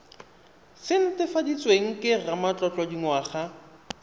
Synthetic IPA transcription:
sɪn̩tɪfadit͡sʼweŋ̩kʼɪramat͡ɬʼɔt͡ɬʼɔdiŋwaχa

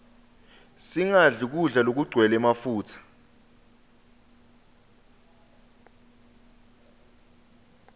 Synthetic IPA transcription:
siŋaɮuk̬uɮalok̬uɡ͡ǀʱwɛlɛmafuːt͡sʰḁ

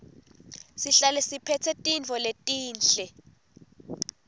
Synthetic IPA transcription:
siɬalɛsipʰɛtʰɛtʼint͡fɔletʼiːnɬɛ

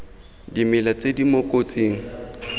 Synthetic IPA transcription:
dimɪlat͡sʼedimokʼot͡sʼiːŋ̩

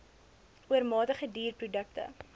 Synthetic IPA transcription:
uərmɑːtəχədiːrprudək̚tə̰

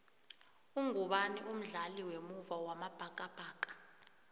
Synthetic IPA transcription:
uŋuɓaniʔum̩ɮaliwemuvawamab̥ʱakʼab̥ʱaːkʼḁ

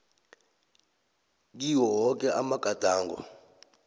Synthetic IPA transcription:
k̬iwɔɦɔk̬ʼɛʔamaɡ̥ʱad̥ʱaːŋɡɔ̰

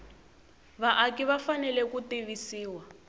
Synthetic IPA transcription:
βaʔakiβafanɛlɛkutiβisiːwa

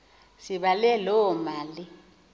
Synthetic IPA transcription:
siɓalɛlɔmaːli

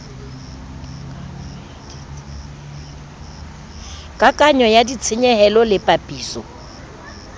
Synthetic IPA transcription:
kʼakʼaɲɔjadit͡sʰɪɲɛhɛlɔlɪpʼapʼiːsɔ

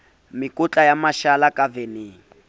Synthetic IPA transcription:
mikʼut͡ɬʼajamaʃalakʼaveneːŋ̩

